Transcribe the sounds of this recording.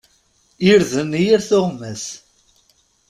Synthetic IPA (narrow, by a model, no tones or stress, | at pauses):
iɾðənijiɾθʊʁmːæs